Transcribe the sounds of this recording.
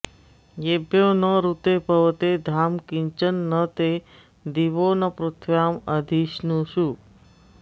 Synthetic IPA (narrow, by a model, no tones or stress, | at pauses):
jebjonəɾut̪epəʋt̪ed̪ʱaːmkiɲt͡ʃənːət̪e | d̪iʋonəpɾut̪ʰʋjaːməd̪ʱiʃnũʃuː